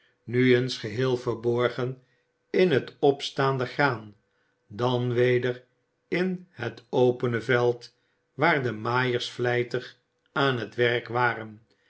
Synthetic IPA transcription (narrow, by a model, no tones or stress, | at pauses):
nyənsχəɦɪːlˠvəɹbɔɹχən | ɪnɦətɔpstaːndəχraːn | dɑnʋejdər | ɪnhətʰowpənəvɛlˠt | ʋaːɹdəmaːjəɹsflɛjtəχ | aːnɦətʋɛʁkʋaːrən